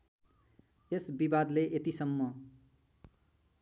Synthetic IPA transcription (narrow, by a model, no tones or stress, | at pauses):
esbibad̪leʔet̪isʌmːʌ